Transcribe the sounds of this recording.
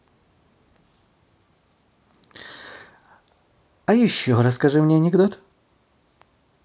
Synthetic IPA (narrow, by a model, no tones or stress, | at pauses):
ɐjɪɕːoɾɐsːkɐʐɨmnʲeɐnʲɪɡd̪ot̪